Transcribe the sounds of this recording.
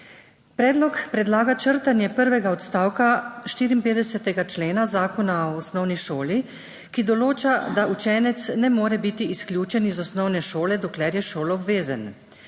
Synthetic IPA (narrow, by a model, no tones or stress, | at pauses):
pɾɛːd̪lɔkpɾɛd̪laːɡat͡ʃəɾt̪anjɛpəɾʋɛɡaɔt̪st̪aːwkaʃt̪iːɾiːmpeːd̪ɛsɛt̪ɛɡat͡ʃleːnazaːkɔnaɔːsnɔwniʃoːli | kid̪ɔloːt͡ʃad̪aʔut͡ʃɛːnɛt̪snɛmoːɾɛbit̪iːsklʲjuːt͡ʃɛnizɔsnɔwnɛʃoːlɛd̪ɔklɛɾjɛʃoːlɔɔbʋeːzan